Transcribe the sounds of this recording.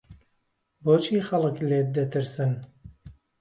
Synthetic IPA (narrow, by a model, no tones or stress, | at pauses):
boːt͡ʃʰiːxɐlˠɨkleːt̪̚d̪ɐt̪ʰɨɾsɨn